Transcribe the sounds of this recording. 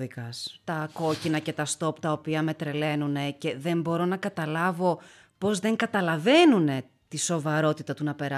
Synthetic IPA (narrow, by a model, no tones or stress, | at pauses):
ikɐst̪ɐko̞cinɐce̞t̪ɐst̪o̞pt̪ɐopiɐme̞t̪ɾe̞le̞nune̞ce̞ðe̞mbo̞ɾo̞nɐkɐt̪ɐlɐvo̞ | po̞zðe̞ŋɡɐt̪ɐlɐve̞nune̞ | t̪iso̞vɐɾo̞t̪it̪ɐt̪unɐpe̞ɾɐ